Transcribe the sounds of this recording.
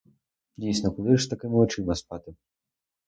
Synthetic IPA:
dʲijsnɔkɔlˠɪʒst̪ɐkɪmɔt͡ʃɪmɐspɑt̪ɪ

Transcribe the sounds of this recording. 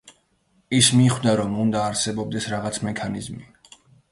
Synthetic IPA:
ismiχd̪aɾɔmund̪aːɾsɛbɔb̚d̪ɛsɾaʁat̪sʰmɛkʰanizmi

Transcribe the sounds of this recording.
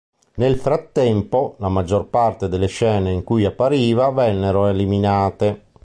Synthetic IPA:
nelfɾat̪ːɛmpolamad͡ʒːorpart̪ed̪elːeʃɛːneiŋkujapːaɾiːvavɛnːeɾoeliminaːt̪e

